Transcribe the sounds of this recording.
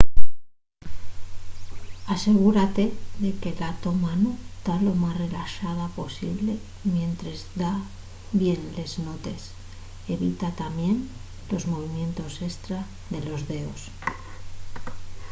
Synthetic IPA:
ase̞ɣ̞uɾat̪e̞ðe̞kelat̪omanut̪alo̞masre̞laʃaðapo̞sḭβle̞ | mje̞nt̪ɾezd̪a | bje̞nle̞znot̪e̞s | e̞βit̪at̪amje̞n | lo̞zmo̞β̞imjẽ̞nt̪o̞se̞st̪ɾa | ðe̞lo̞zðe̞o̞s

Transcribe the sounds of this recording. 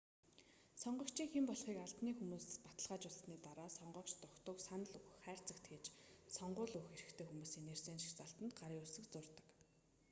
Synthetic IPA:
sɔɴɢɞ̆kt͡ɕʰiːŋxempɔɮχiːkaɮt̪niːxumuːspat̪ə̆ɮʁaːt͡ɕʊɮsniːt̪aɾaːsɔɴɢɞ̆kt͡ɕt̪ʊkt̪ə̆ksanə̆ɮɵxæːr̥t͡sə̆kt̪ɡeːt͡ɕsɔɴɢʊːɮuxeɾɘ̆xt̪ʰeːxumuːsiːŋnerseːnʃi̥xt͡saɬt̪ə̆nt̪ɢaɾiːʊɮsɘ̆kt͡sʊrt̪ə̥̆k

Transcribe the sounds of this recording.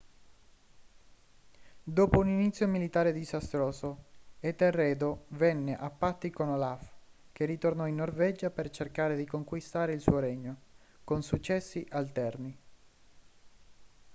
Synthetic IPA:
d̪oːpouninit̪sːjomilit̪aːɾed̪izast̪ɾoːsoet̪erːɛːd̪ovɛnːeʔapːat̪ːikonolaf | k̟erit̪ornɔinːorvɛd͡ʒapert͡ʃerkaːɾed̪ikoŋkwist̪aːɾeilsṵːoɾɛɲːo | konsut͡ʃːɛsːiʔalt̪ɛrni

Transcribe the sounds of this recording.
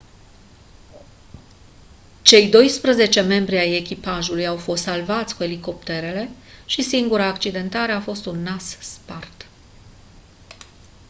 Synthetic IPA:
t͡ʃe̞jd̪o̞jspɾəze̞t͡ʃe̞me̞mbɾiaje̞kʲipaʒulujawfo̞st̪salvat̪sʲkue̞liko̞pt̪e̞ɾe̞le̞ | ʃisiŋɡuɾaːkt͡ʃid̪e̞nt̪aɾe̞afo̞st̪unːasspart̪

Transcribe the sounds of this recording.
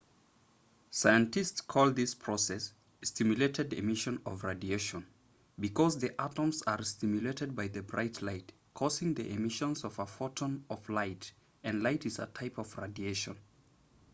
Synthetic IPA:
saɪɨ̃ntɨstskʰɔlˠðɪspʰɹ̥ɔsɛs | stʰɪmjɨleɪɾɨdɨ̰mɪʃɨ̃nʌvɹadieɪʃə̃n | bɨkʰɔzðiʔaɾə̃mzə˞stɪmjɨleɪɾɨd̚baɪðɨbɹa̰ɪtʰlaɪt | kʰɔzɪ̃ŋðiʔɨmɪʃə̃nzʌvəfɔtə̃nʌvlaɪt | ɨ̃nlaɪtɨzə̰tʰaɪpʌvɹadieɪʃɨ̰̃n

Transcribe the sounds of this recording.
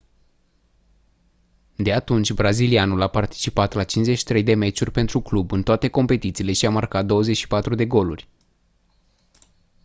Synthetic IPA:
d̪e̞at̪unt͡ʃʲbɾazilianulapart̪i̥t͡ʃipat̪lat͡ʃinzet͡ʃʃi̥t̪ɾe̞jd̪e̞me̞t͡ʃurʲpe̞nt̪ɾuklubɨnt̪oat̪e̞ko̞mpe̞t̪it̪siːle̞ʃiamarkat̪̚d̪o̞wəze̞t͡ʃʲʃi̥pat̪ɾud̪e̞ɡo̞lurʲ

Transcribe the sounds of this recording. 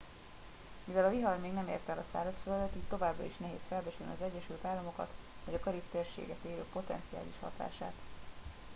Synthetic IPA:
mivɛlɒviɦɒrmeːɡnɛmḛːrt̪ɛlɒsa̰ːɾɒsfɛlɛd̪ɛt̪it̪t̪ːo̞vaːbrɒ̰iʃnɛɦḛːsfɛlbɛt͡ʃylnḭɒzɛɟːɛʃylt̪aːlːɒmo̞kɒ̰t̪vɒɟɒkɒɾift̪eːrʃḛːɡɛt̪eːløːpo̞t̪ɛ̰nt̪sia̰ːliʃhɒ̰t̪a̰ːʃaːt̪

